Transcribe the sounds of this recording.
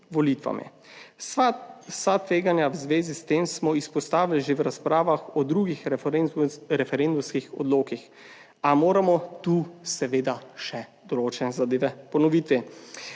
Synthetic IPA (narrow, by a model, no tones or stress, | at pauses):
ʋɔlit̪ʋa̰mḭ | sat̪ʋeːɡanjawzʋeːzist̪eːmsmɔispɔst̪aːʋilʒewɾaspɾaːʋaxɔd̪ɾuːɡix | ɾɛfɛɾend̪umskixɔ̰d̪loːkix | amoːɾamɔt̪uːsɛʋeːd̪aʃɛd̪̥ɔloːt͡ʃɛnɛzad̪eːʋɛpɔnɔʋit̪i